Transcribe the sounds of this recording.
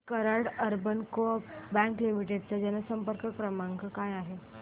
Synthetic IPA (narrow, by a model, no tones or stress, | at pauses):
kəɾaɽəɾbənkobɛ̃ŋklimiʈeɖ̚t͡səd͡ʑɛnəsəmpəɾkək̚pɾəmãŋɡəkajaɦe